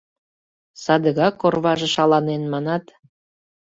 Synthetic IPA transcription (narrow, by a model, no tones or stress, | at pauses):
sɑd̪əɣɑkːorβɑʒĕʃɑlɑnenmɑnɑt̪